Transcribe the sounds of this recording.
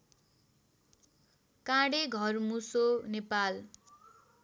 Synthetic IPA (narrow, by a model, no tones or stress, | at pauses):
kãɽeɡʱʌrmusonepal